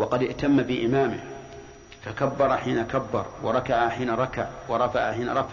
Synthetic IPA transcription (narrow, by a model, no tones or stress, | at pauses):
wɑqɑd̪ɪʔt̪amːabɪʔɪmaːmɪ̰h | fakabːɑɾˤɑħiːnakabːɑ̰ɾˤwɑ̰ɾˤɑkaʕaħiːnaɾˤɑkaʕwɑɾˤɑfaʕaħiːna̰ɾˤɑf